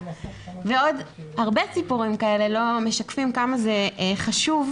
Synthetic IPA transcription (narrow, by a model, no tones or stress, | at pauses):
veo̞dhaʁbe̞t͡sipuʁimkae̞le̞lo̞me̞ʃakfimkamaze̞χaʃuv